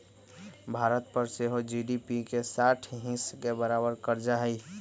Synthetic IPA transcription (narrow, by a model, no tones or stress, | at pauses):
bʱaːɾət̪pəɾseɦod͡ʒiɖipikesaʈʰɦĩskebəɾabəɾkəɾd͡ʒaɦəi